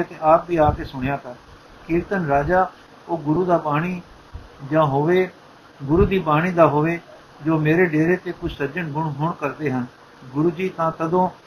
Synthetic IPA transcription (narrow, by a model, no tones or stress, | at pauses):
eːt̪eːaːp̚bʱiːaːkeːsʊɽ̃jaːt̪ʰaː | kiːɾt̪ənɾaːd͡ʒaː | oːɡʊɾuːd̪aːbaːɽ̃iː | d͡ʒãːɦoːʋeː | ɡʊɾuːd̪iːbaːɽ̃iːd̪aːɦoːʋeː | d͡ʒoːmeːɾeːɖeːɾeːt̪eːkʊt͡ʃsəɾd͡ʒəɳɡʊɳɦʊɳkəɾd̪eːɦən | ɡʊɾuːd͡ʒiːt̪ãːt̪əd̪õː